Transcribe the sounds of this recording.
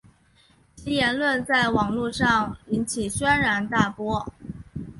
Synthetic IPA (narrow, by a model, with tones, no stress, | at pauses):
t͡ɕi˥jɛ˧˥nlwə˥˧nt͡sa˥˩ɪwɑ˨˩ŋlu˥˧ʂɑ˥˩ŋi˧˥nt͡ɕʰi˨˩ɕɥɛ˥nɻa˧˥nt̪a˥˩pwɔ˥